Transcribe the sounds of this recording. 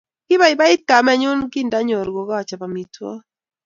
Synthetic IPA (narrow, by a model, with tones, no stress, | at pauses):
kɪ˦ba˦ɪ˨ba˦ɪ˦t̪̚ka˨mɛ˦ɲʊ˦nki˦nda˦ɲo˨ɾɡo˨ɡɔ˦˨t͡ʃa˨pa˨mi˨twɔ̰˦